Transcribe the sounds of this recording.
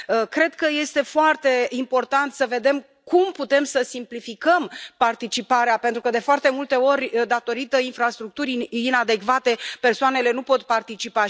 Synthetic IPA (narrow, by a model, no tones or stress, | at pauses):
əkɾe̞d̪̚kəje̞st̪e̞foart̪e̞impo̞rt̪ant̪səve̞d̪e̞m | kumput̪e̞msəsimplifikəmpart̪it͡ʃipaɾeape̞nt̪ɾukəd̪e̞foart̪emult̪e̞o̞rʲd̪at̪o̞ɾit̪əinfɾast̪ɾuk̚t̪uɾʲinad̪e̞kvat̪e̞pe̞rsoane̞le̞nupo̞t̪part̪it͡ʃipa